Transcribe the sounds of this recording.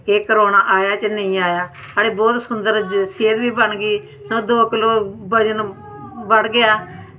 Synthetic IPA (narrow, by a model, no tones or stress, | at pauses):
eːkəɾoːnaːʔaːjaːt͡ʃnəĩːaːjaː | aɽeːbɔːt̪sʊnd̪əɾseːd̪biːbəɳɡiː | sõːd̪oːkɪloːbəd͡ʒən | bəɽɡɪaː